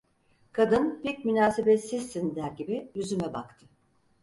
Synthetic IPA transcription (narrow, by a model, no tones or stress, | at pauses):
kʰad̪ɯnbiɾcmynaːsebet̪sizːind̪æɾɟibiyzymɛbakt̪ʰɯ̥